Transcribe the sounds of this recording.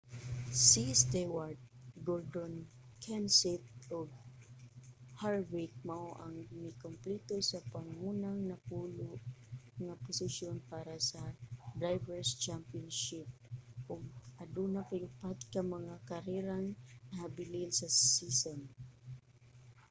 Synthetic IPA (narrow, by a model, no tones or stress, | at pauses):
sisd̪ɛwaɹd̪̚ɡold̪on | kʰɛnsɪt̪̚ʔoɡ̚ | haɹwik̚maʔoʔaŋmɪkomplit̪osapaŋuːnaŋnɐpuːlʊʔŋapʊsɪʃjonpaɾasad̪ɹajvɛɹst͡ʃampionʃɪp̚ʔʊɡ̚ʔad̪unapaʔʊpat̪kamɐŋakaɾɛɾaŋnɐhabɪlɪnsɐsison